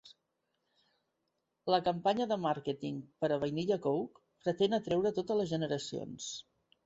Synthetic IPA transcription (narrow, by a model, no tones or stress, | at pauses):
ləkəmpaɲəðəmaɾket̪iŋpəɾəβəjniʎəkowk | pɾət̪enət̪ɾɛwɾət̪ot̪ələzʒənəɾəsio̰ns